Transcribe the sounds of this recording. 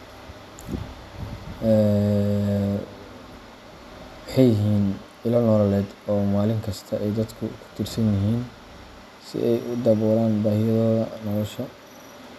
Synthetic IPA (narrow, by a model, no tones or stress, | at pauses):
ɛ | wʊħɑjɪɦiːn | ɪlɐnɔlɐlɛːd̪ɔːmaːlɪŋkʰɐst̪ʰɐʔɛjd̪ɐd̪kʰʊkʰʊ̥t̪ʰɪrsɐnjɐɦiːn | sɪ̰ʔɛjʔʊd̪ɐβɔːɾaːnbaːhɪjɐðɔðɐnɔlɔʃɐ